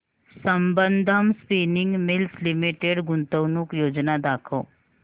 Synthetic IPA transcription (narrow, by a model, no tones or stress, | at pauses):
sɐmbənd̪ʱəmspiːnɪ̃ŋɡmɪlslɪmiʈeɖɡʊnt̪əwnukjoːd͡ʒnad̪aːkʰo